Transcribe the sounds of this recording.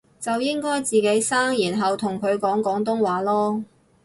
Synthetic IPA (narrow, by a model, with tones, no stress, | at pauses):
t͡sɐ˨wjɪ˥ŋkɔː˥jt͡siː˨ke˨˥jsaː˥ŋjiː˨˩nɦɐ˨wt̪ʰʊ˨˩ŋkʰɵ˨˧ɥkɔː˨˥ŋkɔː˨˥ŋt̪̬ʊ˥ŋwaː˨˥lɔː˥